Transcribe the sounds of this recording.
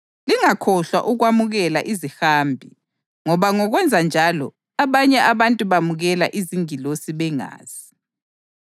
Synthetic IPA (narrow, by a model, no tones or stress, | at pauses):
liŋakʰɔɬwa̰ʔuɣwamuɣɛlaʔizixaːmbʱi | ŋɔβaŋɔɣwɛnd͡zʱand͡ʒʱalɔ | aβaɲɛʔaβantʼuβamuɣɛla̰ʔiziŋilosiβɛŋa̰ːz̥i